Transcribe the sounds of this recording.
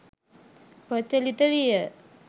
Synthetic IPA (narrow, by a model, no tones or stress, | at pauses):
pət͡ʃːəlit̪əʋijə